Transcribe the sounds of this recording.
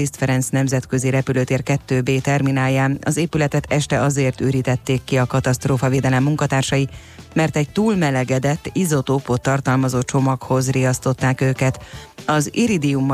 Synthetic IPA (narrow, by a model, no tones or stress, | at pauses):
ist̪fɛɾɛnsnɛmzɛt̪kø̞ziɾɛpyløːt̪eːrkɛt̪ːøːbeːt̪ɛrminaːjːaːɒzeːpylɛt̪ɛt̪ɛʃt̪ɛʔɒzeːrt̪øːɾiːt̪ɛt̪ːeːkːiɒkɒt̪ɒst̪roːfɒveːd̪ɛlɛmːuŋkɒt̪aːrʃɒji | mɛrt̪ɛɟ̚t̪uːlmɛlɛɡɛd̪ɛt̪ːizo̞t̪opot̪ːɒrt̪ɒlmɒzoːt͡ʃo̞mɒkho̞zriɒst̪o̞t̪ːaːkøːkɛt̪ɒziɾid̪iumː